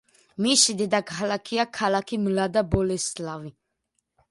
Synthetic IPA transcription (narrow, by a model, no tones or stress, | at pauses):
misid̪ɛd̪akʰalakʰiakʰalakʰimlad̪abɔlɛslavi